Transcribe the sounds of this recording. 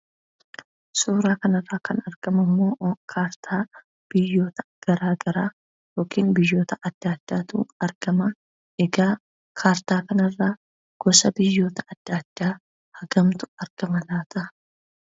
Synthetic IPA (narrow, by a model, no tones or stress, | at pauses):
suːɾaːkɐnɐrːaːkʰɐnɐɾɡ̥ɐmɐmːo̞ːkʰaːɾt̪ʰaː | b̥ɪjːo̞ːt̪ɐ̥ɡ̥ɐɾaːɡɐɾaː | joːkʰiːnbɪjːo̞ːt̪ɐʔɐd̪̥ːaːd̪̥ːaːt̪ṵːɐɾɡ̥ɐmɐ | ɛɡaː | kʰaːɾt̪aːkɐnɐrːaː | ɡ̥ɔsɐbɪjːo̞ːt̪ɐɐd̪̥ːaːd̪̥ːaː | hɐɡɐmt̪ʊ̥ɐɾɡ̥ɐmɐlaːt̪ɐ